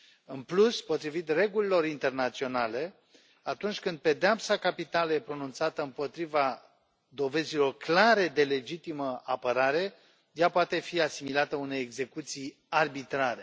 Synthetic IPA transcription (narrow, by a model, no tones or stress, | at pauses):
ɨnpluspo̞t̪ɾivit̪re̞ɡulilo̞ɾint̪e̞rnat̪sio̞nale̞ | at̪unt͡ʃʲkɨnd̪̚pe̞d̪eapsakapit̪aləjepɾo̞nunt̪sat̪əɨmpo̞t̪ɾiva | d̪o̞ve̞zilo̞rklaɾe̞d̪e̞le̞d͡ʒit̪iməapəɾaɾe̞ | japoat̪e̞fiasimilat̪əune̞jeɡze̞kut̪sij | arbit̪ɾaɾe̞